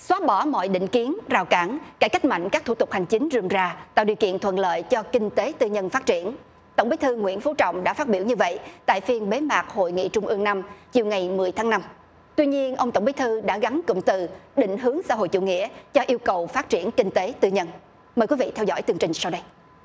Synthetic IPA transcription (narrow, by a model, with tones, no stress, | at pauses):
swaː˨˦˥ɓɔ˧˩mɔ̰˧˨jɗḭ̈˧˨ŋ̟ki˨˦ənzaː˨˩wkaː˧˩nka˧˩ka˦˥jk̟̚ma̰˧˨ŋ̟kaː˦˥k̚t̪ʰu˧˩t̪ʊ˨˩k͡p̚k̚ha˨˩ŋ̟t͡ɕï˨˦ŋ̟zɨ˧˩mzaː˧˩t̪a̰ː˧˨wɗi˨əwkḭ˧˨ənt̪ʰwə̰˧˨nlə̰ː˧˨jt͡ɕɔ˧kï˧ŋ̟t̪e˨˦t̪ɨ˧ɲə˧nfaː˦˥t̚t͡ɕi˧˩ən | t̪ə̰˧˩wŋ͡mɓi˨˦jt̪ʰɨ˧ŋwḭ˧˥ənfo˨˦t͡ɕɔ̰˧˨wŋ͡mɗa̰ː˧˥faː˦˥t̚ɓi˧˩əwɲɨ˧və̰˧˨jt̪a̰ː˧˨jfi˧ənɓe˨˦maː˨˩k̚ho̰˧˨jŋḭ˧˨t͡ɕʊ˧ŋ͡mʔɨ˧əŋna˧mt͡ɕi˨˩əwŋa˨˩jmɨ˨˩əjt̪ʰaː˨˦ŋna˧m | t̪wi˧ɲi˧ənʔə˧wŋ͡mt̪ə˧wŋ͡mi˨˦jt̪ʰɨ˧ɗa̰ː˧˥ɣa˨˦nkʊ̰˧˨ŋ͡mt̪ɨ˨˩ɗḭ˧˨ŋ̟ɦɨ˨˦əŋsaː˧˥ɦo̰˧˨jt͡ɕṵ˧˨ŋḭ˧˥ət͡ɕɔ˧ʔi˧əwkə˨˩wfaː˦˥t̚t͡ɕi˧˩ənkï˧ŋ̟t̪e˨˦t̪ɨ˧ɲə˧n | məː˨˩jkwi˨˦vḭ˧˨t̪ʰɛ˧wzɔ̰˧˥jt̪ɨ˧əŋt͡ɕï˧ŋ̟sa˧wɗə˧j